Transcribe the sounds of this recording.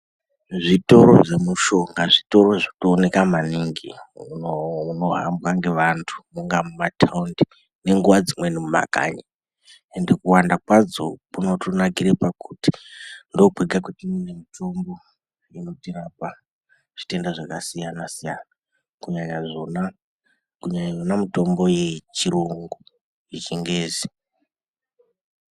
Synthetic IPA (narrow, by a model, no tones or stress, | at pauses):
ʐito̞ɾo̞̰ʐe̞muʃo̞ŋɡaʐito̞ɾo̞ʐotoːne̞kamaniŋɡḭunouno̞ɦambwaŋɡe̞ʋantʰu̥muŋɡamumatʰaundi | ne̞ŋɡuʋad͡zimwenimuma̰ka̰ɲa | endekuwandakwad͡zo̰puno̞tonakiɾepakuti̥ndok͡peɡʱakutiminemitʰo̞mbo̞ | ino̞tirapa | ʐ̥itendaʐakasijanasijana | kuɲaɲaʐona | kuɲaɲajonamito̞mbo̞je̞t͡ʃiɾuŋɡu | jit͡ʃiŋɡeːzi